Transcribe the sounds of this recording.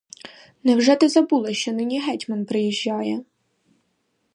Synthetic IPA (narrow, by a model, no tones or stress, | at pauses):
nɛwʐɛt̪ɪzɐbulˠɪʃt͡ʃɔnɪnʲiɦɛtʲmɐnpɾɪjiʒʲːɑjɛ